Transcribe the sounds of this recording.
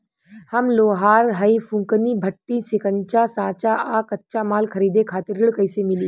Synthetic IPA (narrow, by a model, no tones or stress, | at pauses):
hɐmloːɦaːɾɦəifʰʊ̃ŋkənibʱɐʈːisɪkəɲt͡ʃasãːt͡ʃaʔaːkɐtːʃamaːlkʰɐɾiːd̪ekʰaːt̪ɪɾːɪɭkɐɪsemɪliː